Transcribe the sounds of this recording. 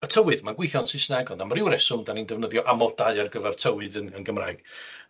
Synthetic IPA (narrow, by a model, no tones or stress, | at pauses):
ətʰəwɨðmaɡwɪθjɔnsɪsnaɡɔndamrɪwɾɛsʊmdanindɛvnəðjɔʔamɔlˠdaɨarɡəvɛrtʰəwɨðənənɡəmra̰ɨɡ̥